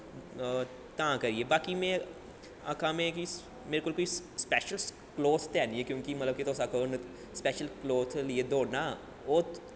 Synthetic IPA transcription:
t̪ãkɐɾiebaːkimẽ | ɐkʰãmẽkis | meːɾekoːlkoːispɛːʃəls | kloːt̪t̪ɛːniẽkjõːkimɐt̪ləb̚kit̪oːsakon | spɛːʃəlkloːt̪ʰlied̪oːna | oːt̪

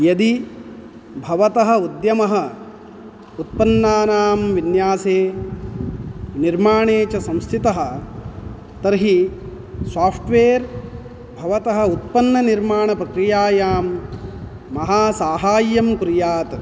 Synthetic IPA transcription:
jɐd̪i | bʱɐʋɐt̪ɐɦɐ̆ud̪jɐmɐɦɐ̆ | ut̪̚pɐnːaːnaːmʋinjaːseː | niɾmaːɳeːt͡ʃɐsɐ̃mst̪ʰit̪ɐɦɐ̆ | t̪ɐɾɦi | saːpʰʈʋeːɾ | bʱɐʋɐt̪ɐɦɐ̆ut̪̚pɐnːɐniɾmaːɳɐpɾɐkɾijaːjaːmː | ɐɦaːsaːɦaːjːɐmkuɾjaːt̪

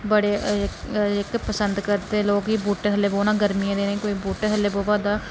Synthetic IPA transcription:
bəɽeː | ɪkpəsənd̪kəɾt̪eːloːkiːbuːʈeɦəleːboːnaːɡəɾmiẽːd̪eːneːkoːiːbuːʈeɦəlːeːboːʋaːd̪aː

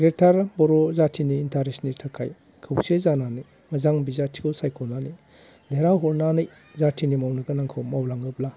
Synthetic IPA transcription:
ɡɾetʰaɾbɔɾɔzatʰiniːntʰaɾisnitʰɐkʰaj | kʰɯwsezananɯj | mɐzaŋbizatʰi̥kʰɯwsajkʰɔwnani | deɾawɦɔɾnanɯj | zatʰinimawnɐɡɐnaŋkʰɯwmawlaŋɯp̚la

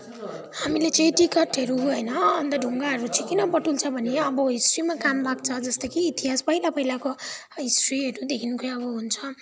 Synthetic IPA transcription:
hamilet͡sʌĩʈikʌʈɦʌɾuɦʌjnʌʌnt̪ʌɖʱuŋɡaɦʌɾut͡sʌĩkinʌpʌʈult͡sʰʌbʱʌneʌbʌɦisrimakamlakt͡sʰʌd͡zʌst̪ʌkiːt̪iɦaspʌilapʌɦilako | ɦisriɦʌɾud̪ekʰinukʰʌjʌβʌɦunt͡sʰʌ

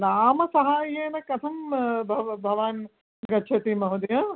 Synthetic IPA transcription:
naːmɐsɐɦaːjeːnɐkɐt̪ʰɐmbʱɐbʱɐʋaːn | ɡɐtːʃʰɐt̪imɐɦud̪ɐjɐ

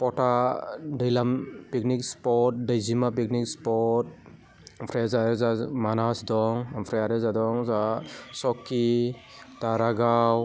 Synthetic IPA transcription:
pɔtadajlampik̚nik̚spɔt̚dajzimap̬ik̚nikspɔt̚ | pʰɾezaɾezamanasdɔŋampʰɾejaɾezadɔŋzasɔkːi | daɾaɡaw

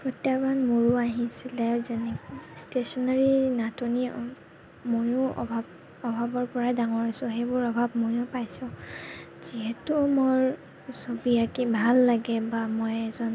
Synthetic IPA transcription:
pɹɔtjabanmoɹuaɦĩsilɛzɛnɛkstesɔnaɹinatʰoni | mojʊɔ̰bʱab | ɔbʱabɔɹpɔɹadaŋɔɹasʊ̃xejbʊɹɔbʱabmojʊpajsʊ̃ | z̥iɦɛtʊmoɹ | sobiakibʱalːaɡɛbamojɛzɔn

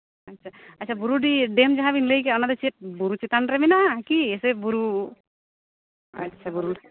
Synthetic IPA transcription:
ɐtːʃʰaɐtːʃʰabuɾuɖiɖemd͡ʒaɦabinlejkeɔnad̪et͡ʃeʈ̚buɾut͡ʃit̪anɾeminaʔkiesebuɾu | ɐ̰tːʃʰabuɾu

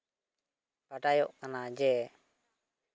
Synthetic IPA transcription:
paʈajɔʔkanad͡ʒɛ

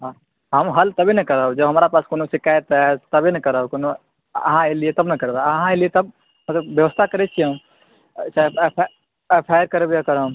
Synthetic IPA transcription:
ɦã | ɦəmɦəlt̪əbʱinɛkəɾəd͡ʒəbɦəmɾapaːskonosikajet̪ɛt̪əbʱinekəɾəkono | ə̰ɦãeliet̪əbnəkəɾebaɐɦãeliet̪əb̚ | mət̪ləbːjəʋəst̪ʰakəɾɛt͡ʃʰiəm | sapʰ | epʰajəɾkəɾebeakəɾəɦm

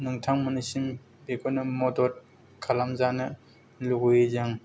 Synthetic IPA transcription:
nɯŋtʰaŋmɯnɯsim | beɡonɯmɔdɔt̚ | kʰalamzanɯ | luɡujezaŋ

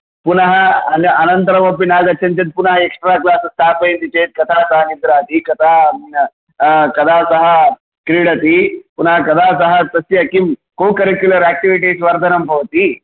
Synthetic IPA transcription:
punɐɦɐɐnɐɐnɐnt̪ɐɾɐmɐpːinaːɡɐt̪ʰːɐnt̪ɐt̪̚punɐɦɐeksʈɾaːklaːsɐsʈ̪ʰaːpɐjnt̪it͡ʃeːt̪̚kɐt̪ʰaːsɐɦɐnid̪ɾaːt̪ikɐt̪ʰaː | kɐd̪ʱaːsɐɦɐ̆ | kɾiɽɐt̪ipunɐɦɐkɐd̪ʱaːs̬ɐɦɐt̪ɐsjɐkimkoːkɐɾekjulɐɾæːk̚ʈiʋiʈ̬iːsʋɐɾd̪ʰʱɐnɐmbʱɐʋɐt̪i

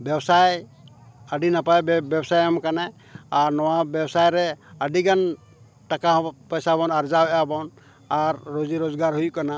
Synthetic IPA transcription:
bjɛbsaj | əɖinapajbjɛbsajamkana | aɾnɔwabɛbsajɾɛəɖiɡan | ʈakapɔjsabɔnaɾd͡ʒawɛabɔn | aɾːod͡ʒiɾozɡaɾɦujukana

